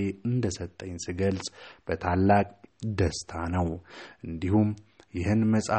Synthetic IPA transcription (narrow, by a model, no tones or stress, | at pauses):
eɨnd̪əsət̪ʼːəɲːsiɡəlsʼb̥ət̪ʰalːakʼd̪əst̪ʰanəwʔɨnd̪ihumjɪhɨnməsʼa